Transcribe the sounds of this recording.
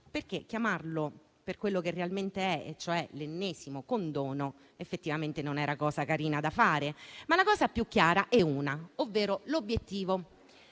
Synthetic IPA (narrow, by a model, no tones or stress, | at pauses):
perk̟ek̟jamarlo | perkwelːokerːealment̪eɛt͡ʃːoɛlenːeːsimokond̪ɔːno | efːet̪ːivament̪enonɛːɾakɔːzakaɾiːnad̪afaːɾemalːakɔːsapjukːjaːɾaʔɛuːnaovːeːɾolobːjet̪ːiːvo